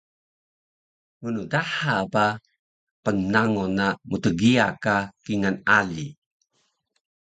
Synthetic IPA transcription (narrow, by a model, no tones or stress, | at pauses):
munudaħapa | pənnaŋunamutəɡia̰kakiŋanali